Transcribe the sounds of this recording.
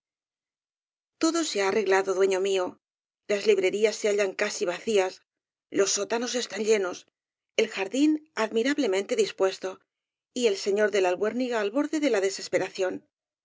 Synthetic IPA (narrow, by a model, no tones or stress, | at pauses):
t̪o̞ðo̞seaːre̞ɣlaðo̞ðwe̞ɲo̞mio̞ | lazliβɾe̞ɾiasːeaʎaŋkasiβ̞aθias | lo̞sːo̞t̪ano̞se̞st̪anʎe̞no̞s | e̞lxaɾðinaðmiɾaβle̞mẽ̞nt̪e̞ðispwe̞st̪o̞ | ie̞lse̞ɲo̞ɾðe̞lalβwe̞ɾniɣaːlβo̞ɾðe̞ðe̞laðe̞se̞spe̞ɾaθjo̞n